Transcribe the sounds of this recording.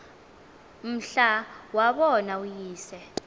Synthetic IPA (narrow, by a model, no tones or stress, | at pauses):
m̩ɬawaɓɔnaujiːsɛ